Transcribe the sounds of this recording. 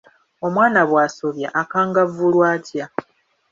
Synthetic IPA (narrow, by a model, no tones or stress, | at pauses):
o̞mwaːnaβwaːsoβjaʔakaːŋɡavulwaːtja